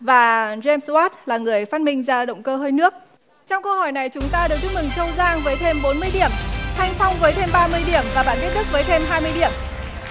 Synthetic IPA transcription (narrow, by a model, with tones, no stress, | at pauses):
vaː˨˩zɛ˧mswaː˦˥t̚laː˨˩ŋɨ˨˩əjfaː˦˥t̚mï˧ŋ̟zaː˧ɗə̰˧˨wŋ͡mkəː˧ɦəː˧jnɨ˦˥ək̚ | t͡ɕɔ˧wŋ͡mkə˧hɔ˧˩jna˨˩jt͡ɕʊ˨˦ŋ͡mt̪aː˧ɗ̚t̪ɨ˦˥mɨ˨˩ŋt͡ɕə˧wzaː˧ŋvəː˨˦jt̪ʰe˧mɓo˨˦nmɨ˧əjɗi˧˩əmt̪ʰa˧jŋ̟fɔ˧wŋ͡mvəː˨˦jt̪ʰe˧mɓaː˧mɨ˧əjɗi˧˩əmvaː˨˩ɓaː˧˩nki˦˥t̚t̪ɨ˦˥k̚vəː˨˦jt̪ʰe˧mɦaː˧jmɨ˧əjɗi˧˩əm